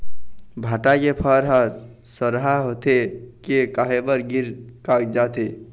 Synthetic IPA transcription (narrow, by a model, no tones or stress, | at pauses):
bʱaʈakepʰəɾɦəɾ | səɾɦaɦot̪ekekaɦebəɾɡiɾkakd͡ʒat̪e